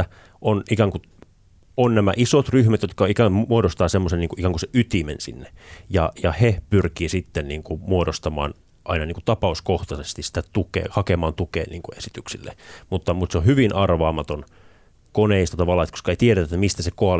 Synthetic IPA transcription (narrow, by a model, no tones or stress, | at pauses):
æ | ʔonikæŋku | onnæmæʔisot̪ryhmæt̪jot̪kɑikæuoɾost̪ɑːsemːosenniŋkuʔikæŋkuseʔyt̪imḛnsḭnːejɑjɑhepyrkiːsit̪ːenniːŋkumuodost̪ɑmɑ̰ːn | ʔɑinɑniːŋkut̪ɑpɑuskoht̪ɑsest̪issi̥t̪æt̪ukḛːhɑkemɑːnt̪ukḛːnniːŋkuesit̪yksilːḛmut̪ːɑmut̪seohyʋinʔɑrʋɑːmɑt̪on | koneist̪ɑt̪ɑʋɑlːˑɑːset̪ko̥skɑeit̪ieɾæt̪æet̪ːæmist̪æsekoɑl